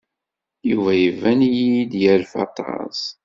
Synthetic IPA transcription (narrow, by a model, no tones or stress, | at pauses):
juvæjəvænjid̪jəlfɑ̰t̪ˤɑ̰z